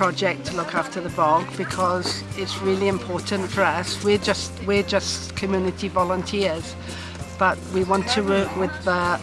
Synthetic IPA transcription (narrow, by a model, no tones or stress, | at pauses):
pʰɹ̥ɒd͡ʒɛk̚tʰəlʊkʰaftəðəbɔɡb̥ɪkʰɒz | ɪtsɹɪːlˠiɪ̃mpʰɔɹʔn̩tfə˞ʌswɪd͡ʒʌstwɪd͡ʒʌskʰəmjʉːnɪtʰivɒlˠə̃ntʰɪəz̥ | b̥ʌʔwiwɒ̃ntʰəwɜˑkwɪðə